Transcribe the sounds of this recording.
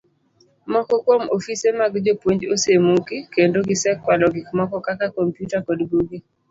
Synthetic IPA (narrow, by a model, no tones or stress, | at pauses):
mɔkɔkwɔmofisemaɡd͡ʒopwoɲd͡ʒosemukikendoɡisɛkːwalɔɡɪkmɔkɔkakakɔmpjutakɔdɡuɡi